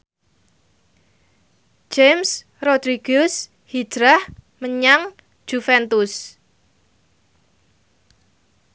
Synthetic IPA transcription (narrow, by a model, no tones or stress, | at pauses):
d͡ʒ̥ems | rod̪̥ɾiɡ̥ʊs | hi̥ʒ̥ɾahməɲaŋ̥ | ʒ̥ufɛnt̪us